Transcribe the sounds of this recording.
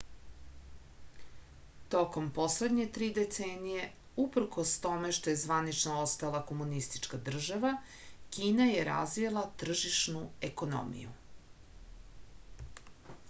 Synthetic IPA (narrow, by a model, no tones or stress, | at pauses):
t̪o̞ko̞mpo̞sle̞d̪ɲe̞t̪ɾiːd̪et̪seːnije̞ | upr̩ko̞st̪o̞me̞ʃt̪oje̞zʋanit͡ʃnoost̪alˠako̞munist̪i̥t͡ʃkad̪r̩ʒaʋa | kiːnaje̞ɾa̰zʋilˠat̪r̩ʒiʃnue̞kono̰mḭjṵ